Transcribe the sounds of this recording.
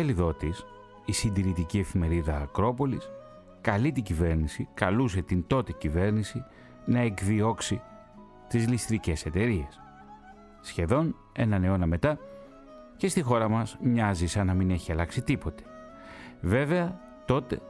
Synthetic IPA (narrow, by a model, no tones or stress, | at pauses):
eliðo̞t̪is | isind̪iɾit̪icie̞fime̞ɾiðɐːkɾo̞po̞lis | kɐlit̪iɟive̞ɾnisikɐlus̬e̞t̪ind̪o̞t̪icive̞ɾnisi | nɐe̞kðio̞ksi | t̪izlist̪ɾice̞se̞t̪e̞ɾie̞sː | çe̞ðo̞n | e̞̰nɐne̞o̞nɐme̞t̪ɐ | ce̞st̪ixo̞ɾɐmɐzmɲɐzisɐnɐmine̞çiɐlɐksit̪ipo̞t̪e̥ | ve̞ve̞ɐ | t̪o̞t̪e̞̰